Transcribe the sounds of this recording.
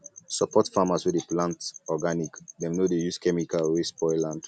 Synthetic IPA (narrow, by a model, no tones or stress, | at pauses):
sɔpɔtfamaswɛdeplãntɔɡanikdɛ̃mnodejuskɛmikalɹespɔjlãnd